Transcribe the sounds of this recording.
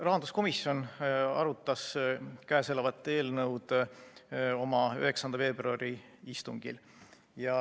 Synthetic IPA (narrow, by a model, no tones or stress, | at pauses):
rɑɦɑnd̪̥usko̞misjo̞nɑ̰ɾut̪ˑːɑskæese̞lɑvɑt̪ːˑeːlnɤwd̪̥ | o̞mɑy̰ɦe̞ksɑnd̪̥ɑfe̞ːb̥ruɑɾiist̪uŋɡ̥ḭl | jɑ